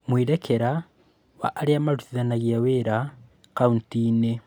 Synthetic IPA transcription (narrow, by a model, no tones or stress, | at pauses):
mwiːɾekʰeɾa | wa̰ʔːliamaluθiðanaɣjeweɾa | kauntine